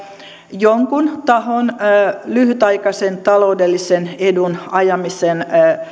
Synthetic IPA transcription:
joŋkunt̪ɑhonːlyhyt̪ɑikɑsent̪ɑloudelːisenedunɑjɑmisen

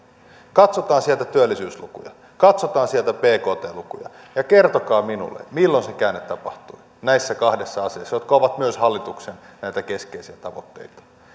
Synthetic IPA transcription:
kɑt̪so̞t̪ɑːnsielt̪æt̪yølːisyːslṵkṵjɑ̰ | kɑt̪so̞t̪ɑːnsielt̪æpe̞ːko̞ːt̪e̞̰ːlukujɑ̰ | jɑke̞rt̪o̞kɑːminṵlːḛmilːo̞nse̞kæːnːet̪t̪ːɑpɑht̪ui | næjsːækɑhdesːɑɑseːsːjot̪kɑoʋɑt̪myøshɑlːit̪uksennæjt̪æke̞skeisiæt̪ɑʋo̰t̪ːe̞̰ijt̪ɑ̥

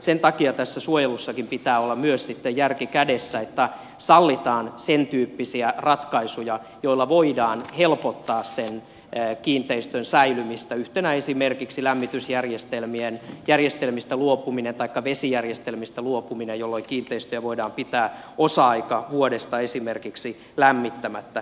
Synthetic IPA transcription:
sent̪ɑkiɑt̪æsːæsuojelusːɑkimpit̪æːolːɑmyøssit̪ːejjærkikædesːæet̪ːæ | sɑlːit̪ɑːnsent̪yːpːisiærɑt̪kɑisujɑ | joilːɑʋoidɑːnhelpot̪ːɑːssenː | kiːnt̪eist̪ønsæilymist̪æyht̪enæesimerkiksilæmːit̪ysjærjest̪elmienjærjest̪elmist̪æluopuminent̪ɑikːɑʋesijærjest̪elmist̪æluopuminejolːoikiːnt̪eist̪øjæʋoidɑːmpit̪æː | osɑɑikɑʋuodest̪ɑesimerkiksi | læmːit̪ːæmæt̪ːæ

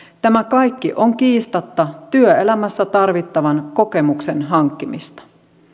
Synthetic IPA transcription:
t̪æmækɑjkːiʔoŋkiːst̪ɑt̪ːɑt̪yøelæmæsːæt̪ɑrʋit̪ːɑʋɑnko̞ke̞muksenɦɑŋkːimist̪ɑ̥

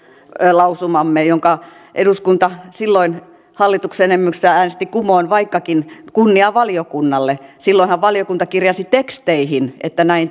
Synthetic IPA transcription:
lɑusumɑmːejoŋkɑ | ʔeduskunt̪ɑsilːoin | hɑlːit̪uksenemːyksææːnest̪ikumoinʋɑikːɑkinkunːiɑʋɑliokunːɑlːesilːoinhɑʋʋɑliokunt̪ɑkirjɑsit̪ekst̪eihinʔḛt̪ːænæin

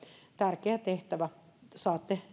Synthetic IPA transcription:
t̪ærkeæt̪eht̪æʋæsɑːt̪ːe

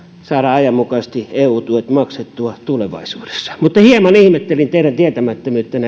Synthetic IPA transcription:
sɑːɾɑɑjɑmmukɑːˑst̪ieːuːt̪uet̪mɑkset̪ːuɑt̪uleʋɑ̰isuːd̥e̥sːɑ̥mut̪ːɑhiemɑnihmet̪ːelint̪eiɾænt̪iet̪æmæt̪ːømyːt̪ːenæ

